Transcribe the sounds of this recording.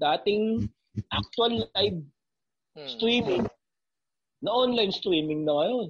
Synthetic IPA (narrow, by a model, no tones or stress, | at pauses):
d̪aːt̪ɪŋ | ʔak̚t̪ʊɐllajb̚ | st̪ɾiːmɪŋ | nɐʔonlajnst̪ɾiːmɪŋnɐŋɐjon